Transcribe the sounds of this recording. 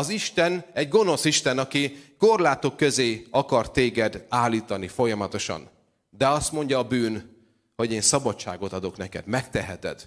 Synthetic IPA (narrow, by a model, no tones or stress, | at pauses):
ɒziʃt̪ɛnɛɟɡo̞no̞siʃt̪ɛnɒkiko̞rlaːt̪o̞kːø̞zeːɒkɒrt̪eːɡɛd̪aːlːiːt̪ɒnifo̞jɒmɒt̪o̞ʃɒ̰n | d̪ɛɒst̪mo̞ɲɟɒːbyːn | ho̞ɟeːnsɒbɒt͡ʃa̰ːɡo̞t̪ɒd̪o̞knɛkɛ̰d̪mɛkt̪ɛɦɛt̪ɛ̰d̪